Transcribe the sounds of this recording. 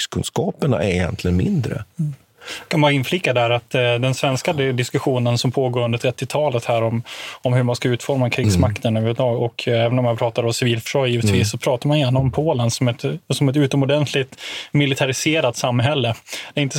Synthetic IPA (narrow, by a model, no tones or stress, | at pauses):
skʰɵnskɑːpəɳa̰ʔɛ̰ɾɪjɛ̰nt̪ʰlɪənmɪnd̪ɾə̰ | kʰanvɑːɾaɪnflɪkːad̪æɾat̪d̪ɛnsvɛnskad̪ɪskɵɧuːnənsɔmpʰoːɡoːɾɵnd̪əʈʰɾɛt̪ːɪt̪ʰɑːlət̪hæːɾɔmɔmhɵɾmanskaʉ̟ːt̪fɔɾmakʰɾiːɡsmakt̪ənʉːvʏd̪ɑːɡɔkʰɛːvənɔmanpʰɾɑːt̪aɾɔmsɪviːlfœ̥ʂɔjiːvət̪ʰviːsːɔpʰɾɑːt̪aɾmanjɛnaɔmpʰoːlənsɔmɛt̪sɔmɛt̪ʉ̟ːt̪ɔmɔd̪ɛnt̪ʰlɪɡt̪mɪlɪt̪ʰaɾɪseːɾat̪samːɦɛlːəd̪̥ɛɾɪnt̪ə